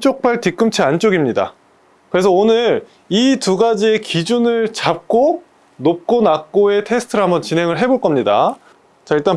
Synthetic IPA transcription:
t͡ɕ͈ok̚p͈aɭtik͈ɯmt͡ɕʰiant͡ɕ͈oɡimɲida̰ | kɯɾe̞sʰʌonɯɾ | ituɡad͡ʑie̞kid͡ʑunɯɭt͡ɕap̚k͈o | nop̚k͈onak͈oe̞tʰe̞sʰɯ̥tʰɯɾɦamʌnt͡ɕinɦe̞ŋɯɭɦe̞boɭk͈ʌmɲida̰ | t͡ɕaiɭt͈an

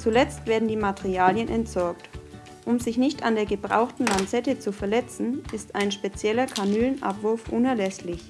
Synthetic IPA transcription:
t͡sulɛt͡stv̥eːɐdn̩diːmatʰeʁiaːljənʔɛntz̥ɔɐk̚t | ʔʊmzɪçnɪçtandeːɐɡəbʁa̰ʊxtn̩lant͡sɛtət͡sufɛɐlɛt͡sn̩ʔɪstaɪnʃpet͡sjɛlɐkʰanyːlnʔa̰pv̥ʊɐfʔʊnɛɐlɛslɪç

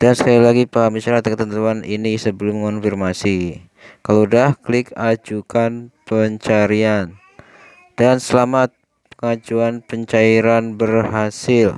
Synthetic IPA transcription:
d̥ansə̥kalilaɡipaɦamisaɾat̪̚kət̪ənt̪uanʔinisəbəlʊməŋɔnfirmasi | kalodahklɪkad͡ʒukanpəɲt͡ʃaɾian | d̥ansəlamat̪̚ | pəŋad͡ʒuanpəɲt͡ʃaiɾanbərɦasɪl

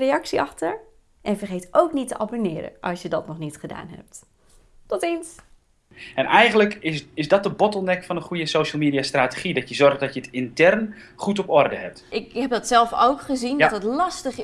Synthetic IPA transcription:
reɑksiɑχtəɹ | ʔɛnvərχeːtʔowknitːəʔabonɪːɾə̰ʔɑ̰lˠsjədɔtnɔχnitχəda̰ːnɦɛ̰p̚t | tɔtins | ɛnɛjχənləkɪɪzdɔt̚dəbɔtəl̩ˠnɛkfɑnəχujəsowʃəl̩ˠmiːdiastraːteχidɔtjəzɔrχdɔtjətɪntɛrnχutɔpɔrdəɛp̚tɪkhɛp̚dɔtsɛlˠfo̰wkχəzindtətlɑstəχ

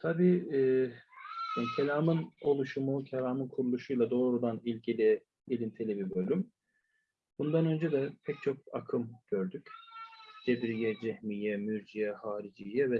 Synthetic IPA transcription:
t̪ʰabiː | ancʰelʲaːmɯno̞lˠuʃumucʰelʲaːmɯnkʰuɾulˠuʃujlˠad̪o̞ːɾud̪anilʲɟilʲi | ilʲint̪ʰilʲibibø̞lʲym | bund̪anø̞nd͡ʒɛd̪ɛpʰɛc̚t͡ʃʰok̚a̰kʰɯmɟ̥ø̞ɾd̪yc | d͡ʒ̪̥ebɾijɛd͡ʒɛhmijɛmyɾd͡ʒijɛhaːɾid͡ʒijɛvɛ

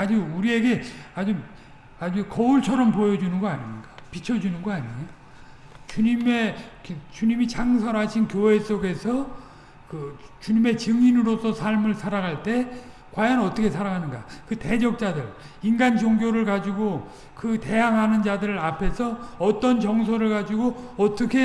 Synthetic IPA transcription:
ad͡ʑuuɾie̞ɡe̞ad͡ʑu | ad͡ʑukʌuɭt͡ɕʰʌɾʌmpojʌd͡ʑunɯnɡʌaɲinnɡapit͡ɕʰʌd͡ʑunɯnɡʌaɲijo | t͡ɕuɲime̞t͡ɕuɲimit͡ɕʰaŋs̬ʰʌɾɦaɕʰinkjoɦe̞s͈oɡe̞sʰʌ | kɯt͡ɕuɲime̞t͡ɕɯŋinɯɾosʰʌsʰaɭmɯɭsʰaɾaɡaɭt͈e̞ | kwajʌnʌt͈ʌkʰe̞sʰaɾaɡanɯnɡakɯte̞d͡ʑʌk̚t͡ɕ͈adɯɭ | inɡand͡ʑoŋɡjoɾɯɭkad͡ʑiɡo | kɯte̞jaŋɦanɯnd͡ʑadɯɾɯɾapʰe̞sʰʌʌt͈ʌnt͡ɕʌŋsʰoɾɯɭkad͡ʑiɡoʌt͈ʌkʰe̞

